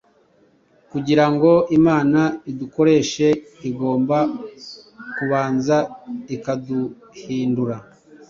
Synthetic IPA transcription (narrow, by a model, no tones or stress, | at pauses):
kuɟiɾaŋɡo̞ʔimaːnaiduko̞ɾe̞ʃe̞ | iɡo̞ːmba | kuβaːnzaikadu | hiːnduɾa